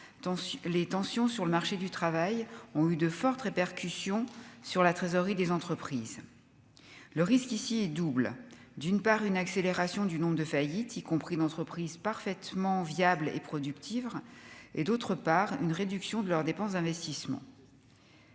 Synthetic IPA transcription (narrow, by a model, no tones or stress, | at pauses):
let̪ɑ̃sjɔ̃syʁləmaʁʃed̪yt̪χavajɔ̃yd̪əfɔʁt̪ʁepɛʁkʲysjɔ̃syʁlat̪χezɔʁid̪ezɑ̃t̪χəpχiz | ləʁiskisiɛd̪ubl | d̪ynpaʁynakseleʁasjɔ̃d̪ynɔ̃bʁəd̪əfajit̪ikɔ̃pχid̪ɑ̃t̪χəpχizpaʁfɛt̪mɑ̃vjablḛpχɔd̪ykt̪ʰived̪ot̪χəpaʁy̰nʁed̪yksjɔ̃d̪əlœʁd̪epɑ̃sd̪ɛ̃vɛst̪ismɑ̰̃